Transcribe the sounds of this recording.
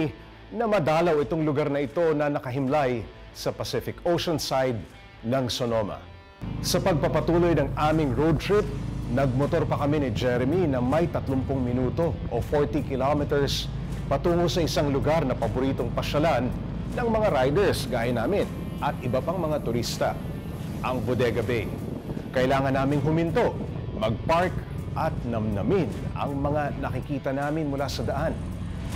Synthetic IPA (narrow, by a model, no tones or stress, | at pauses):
nɐmɐd̪aːlɐwɪt̪o̞ŋlʊɡaɾnɐʔɪt̪o̞nɐnɐkɐɦɪmlaj | sɐpɐsɪfɪkowʃonsajd̪̚ | nɐŋsonomɐ̰ | sɐpɐɡ̚pɐpɐt̪uːlo̞jnɐŋaːmɪŋɹowd̪̚t̪ɹɪp̚nɐɡ̚mot̪o̞ɾpɐkɐminɪd͡ʒɛɾɛminɐmɐjt̪ɐt̪lompoŋmɪnuːt̪o̞ʔofoɹt̪ikɪlomɛt̪ɛɹs | pɐt̪uːŋosɐʔɪsaŋlʊɡaɾnɐpɐbʊɾiːt̪oŋpɐʃɐlanː | ɐŋmɐŋaɾajd̪ɛɹsɡaːjɪnaːmɪn | ʔɐt̪̚ʔɪbɐpaŋmɐŋat̪ʊɾist̪ɐ | ʔɐŋbod̪ɛɡɐbɛj | kɐʔɪlaːŋɐnːaːmɪŋɦʊmɪnt̪o̞mɐɡ̚paɹkʔɐt̪̚nɐmnɐmɪnɐ̰ŋmɐŋanɐkɪkiːt̪ɐnaːmɪnmʊlasɐd̪ɐʔan